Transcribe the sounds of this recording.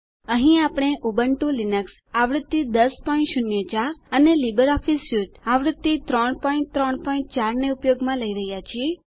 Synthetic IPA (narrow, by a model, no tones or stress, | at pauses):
əɦĩapɽ̃eʔubəɳʈũlinəks | aʋɾɪd̪ːid̪əspɔĩɳʈʃʊnjət͡ʃaɾənelibəɾɔfisuʈaʋɾɪd̪ːit̪ɾɔɳpɔiɳʈ̚t̪ɾɔɳpɔĩɳʈ̚t͡ʃaɾneupjoɡmãləiɾəɦjat͡ʃʰie